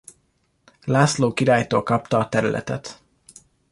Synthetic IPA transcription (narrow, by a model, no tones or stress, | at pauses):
laːsloːkiɾaːjt̪o̰ːlkɒpt̪ɒːt̪ɛɾylʔɛ̰t̪ɛt̪